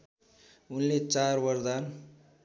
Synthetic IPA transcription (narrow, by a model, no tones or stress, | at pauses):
unlet͡sarbʌrd̪an